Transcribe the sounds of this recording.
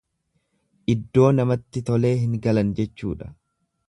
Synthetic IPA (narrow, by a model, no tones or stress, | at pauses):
ʔɪd̪ːo̞ːnɐmɐt̪ːɪt̪ɔle̞ːɦɪŋɡɐlɐnd͡ʒɛt͡ʃːṵːᶑɐ̥